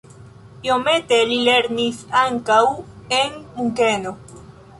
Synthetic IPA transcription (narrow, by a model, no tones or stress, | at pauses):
io̞me̞te̞lile̞ɾnisaŋkawenmuŋke̞no̞